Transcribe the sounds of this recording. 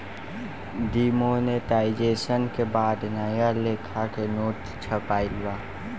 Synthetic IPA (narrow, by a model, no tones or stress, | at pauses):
d̪iːmoneʈaːɪd͡ʒeːsənkebaːd̪najalekʰakenoːʈ | t͡ʃʰəpaːilwaː